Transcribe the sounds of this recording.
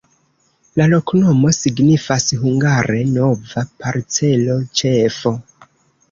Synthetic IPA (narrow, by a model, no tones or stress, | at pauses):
lalo̞kno̞mo̞siɡnifasɦuŋɡaɾʔe̞no̞vapaɾt͡se̞lo̞t͡ʃe̞fo̞